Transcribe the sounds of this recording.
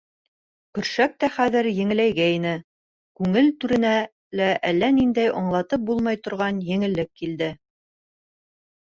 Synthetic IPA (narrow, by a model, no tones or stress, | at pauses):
kɵ̆ɾʃæk̚t̪æχæðɘɾjɘ̆ŋɘ̆læjɡæinɘ | kʉŋɘlt̪ʉɾɘ̆næ | læʔælːænind̪æjɑɴlˠɑt̪ɤp̚bulˠmɑjt̪ŏɾʁɑnjɘ̆ŋɘ̆lːɘkːild̪ɘ